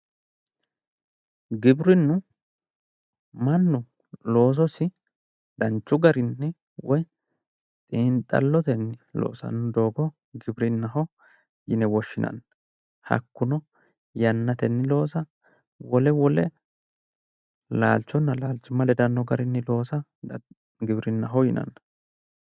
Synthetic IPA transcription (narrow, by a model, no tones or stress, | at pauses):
ɡɪbɾɪnːʊ | mɐnːʊ | lo̞ːs̬ɔsɪ | d̪̥ɐnt͡ʃːʊɡɐɾɪnːɛ | wɔj | t̪ʼiːnt̪ʼːɐ̰lːɔt̪ɛnːɪlo̰ːsɐ̰nːʊd̪o̞ːɡɔ | ɡɪbɾɪnːɐɦɔ | jɪnɛwɔʃːɪnɐ̰nːɐ | hɐ̰kːʊnɔ | jɐnːɐt̪ɛnːɪlo̞ːsɐ | wɔlɛwɔlɛ | laːlt͡ʃːɔnːɐlaːlt͡ʃːʊmɐlɛd̪ɐnːɔɡɐɾɪnːɪlo̞ːsɐ | ɡɪbɾɪnːɐɦɔjɪnɐ̰nːɐ